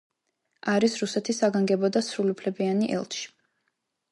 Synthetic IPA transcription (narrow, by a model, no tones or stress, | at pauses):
aɾisɾusɛt̪ʰisaɡaŋɡɛbɔd̪asɾuliupʰlɛbianiʔɛ̰lˠt̪ʃi̥